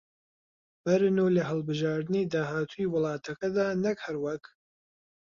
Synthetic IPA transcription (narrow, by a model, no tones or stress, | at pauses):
b̥ɐɾɨnulɐɦɨlˠbɨʒaːɾd̪ɨniːd̪aːɦaːt̪ʰujiwɨlˠɑːt̪ʰɐkɐd̪aːnɐkhɐɾwɐk